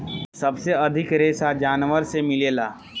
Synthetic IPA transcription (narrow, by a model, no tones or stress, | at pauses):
sɐbseɐd̪ʱɪkɾeːsad͡ʒaːnʋəɾsemɪleːlaː